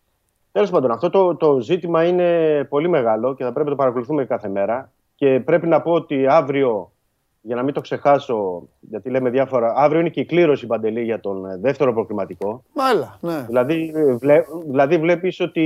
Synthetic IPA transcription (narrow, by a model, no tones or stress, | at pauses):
t̪elo̞spɐnd̪o̞nɐft̪o̞t̪ot̪o̞zit̪imɐine̞po̞lime̞ɣɐlo̞ceθɐpɾepinɐt̪opɐɾɐko̞luθumekɐθe̞me̞ɾɐ | ce̞pɾe̞pinɐpo̞ot̪iɐvɾio̞ | ʝɐnɐmint̪o̞kse̞xɐso̞ʝɐt̪ileme̞ðʝɐfo̞ɾɐɐvɾio̞ine̞cikliɾo̞sipɐnd̪e̞liʝɐt̪o̞nðe̞ft̪e̞ɾopɾo̞ɣlimɐt̪iko̞lɐðilɐðiveðilɐðivle̞piso̞t̪i